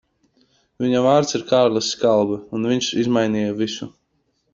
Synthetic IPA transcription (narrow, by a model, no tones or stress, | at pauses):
vʲiɲavaːɾt̪siɾkaːɾlˠasːkalˠbɨunvʲiɲʃizmajniːjavisu